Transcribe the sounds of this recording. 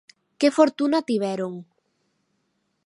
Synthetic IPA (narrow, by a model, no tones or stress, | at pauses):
kefoɾt̪unat̪iβ̞ɛɾoŋ